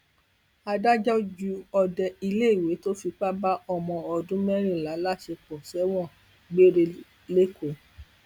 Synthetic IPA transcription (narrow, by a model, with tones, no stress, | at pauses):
a˧da˦d͡ʒɔ˦d͡ʒu˧ɔ˧dɛ˧i˧le˦i˨we˨˦to˦fi˧k͡pa˦ba˦ɔ˦˨mɔ̃˧ɔ˧dũ˦mɛ˦ɾ̃ĩ˦˨la˨˦la˦˨ʃe˧k͡pɔ̃˨sɛ˨˦w̃ɔ̃˦˨ | ɡ͡be˦ɾe˧ | le˦kʰo˨˦